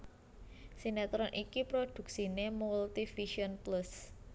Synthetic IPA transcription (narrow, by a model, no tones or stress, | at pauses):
sinɛt̪ɾɔnʔikipɾod̪̥ṳk̚sinemult̪ifiʃiɔnplus